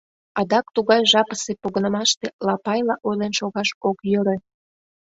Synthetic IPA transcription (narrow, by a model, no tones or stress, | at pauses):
ɑd̪ɑkt̪uɣɑjʒɑpəsepoɣənə̆mɑʃt̪elɑpɑjlɑʔojlenʃoɣɑʃokjøɾe